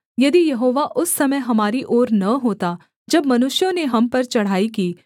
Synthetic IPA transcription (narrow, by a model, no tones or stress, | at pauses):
jɐd̪ijɐɦoːʋaʔʊsːɐməjɦɐmaːɾiʔoːɾnɐɦoːt̪a | d͡ʒɐbmɐnʊʃjõneɦɐmpɐɾt͡ʃɐɽ̤aːikiː